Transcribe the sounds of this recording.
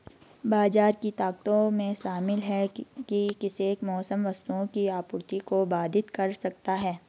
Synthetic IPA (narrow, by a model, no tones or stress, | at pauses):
baːd͡ʒaːɾkit̪aːkt̪õmẽʃaːmɪlɦɛkikɪseːkmɔːsəmʋɐst̪uõkiaːpʊɾt̪ikobaːd̪ʱɪt̪kɐɾsɐkt̪aɦɛː